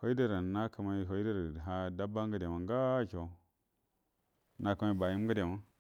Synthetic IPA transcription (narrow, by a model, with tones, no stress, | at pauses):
ho˦i˦da˦ɾa˨na˦kə˨ma˨˦ɦo˨i˦da˦ɾa˨ɦa˦da˦ba˦ŋɡə˦de˨ma˨ŋɡa˦ko˨˦ | na˨kə˨ma˦i˦ba˨ji˦m˦ɡə˦de˨ma˦